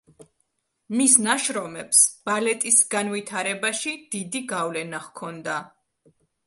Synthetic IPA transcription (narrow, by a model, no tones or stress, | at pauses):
misnaʃɾɔmɛpsb̥alɛt̪ʼisɡanvit̪ʰaɾɛbaʃid̪̥id̪iɡavlɛnaʁkʰɔnd̪a